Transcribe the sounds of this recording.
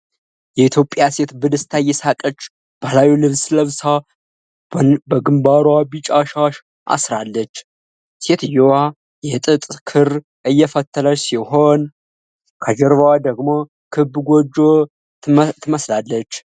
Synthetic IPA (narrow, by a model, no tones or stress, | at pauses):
jɛit̪ʰjo̞pʼːjase̞t̪bɨd̪ɨst̪ʰajɛsakʼət͡ʃː | b̥əlawilɨβsləβsa | bəɡɨmbaɾwabit͡ʃʼaʃaʃ | ʔa̰sɾalːət͡ʃː | se̞t̪ɨjowa | jɛt̪ʼɨt̪ʼkʰɨɾ | ʔɨjːɛfət̪ʰːələt͡ʃsiho̞n | kʰəd͡ʒɛɾvad̪əɡmo̞ | kʰɨbɡʷod͡ʒo | t̪ʰɨməslalːət͡ʃː